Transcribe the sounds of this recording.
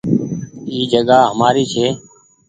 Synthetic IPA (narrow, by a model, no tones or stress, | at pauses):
iːd͡ʒəɡaːɦəmaːɾiːt͡ʃʰeː